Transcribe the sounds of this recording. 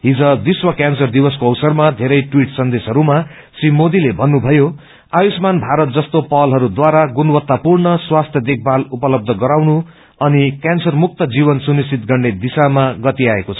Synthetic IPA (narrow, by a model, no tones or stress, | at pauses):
ɦid͡zʌ̃d̪iswʌkjansʌrd̪ibʌskoʌwsʌrmad̪ʱeɾʌjʈwiʈsʌnd̪esɦʌɾuma | simod̪ilebʱʌnːubʱʌjo | ajusmanbʱaɾʌt̪̚d͡zʌst̪opʌlɦʌɾud̪waɾaɡunwʌt̪ːapurnʌswast̪ʰjʌd̪ek̚ʰbalupʌlʌb̚d̪ʱʌɡʌɾawnu | ʌnikjansʌrmuk̚t̪ʌd͡zibʌnsunist͡sʰit̪ɡʌrɳɖed̪isamaɡʌt̪iaekot͡sʰʌ̥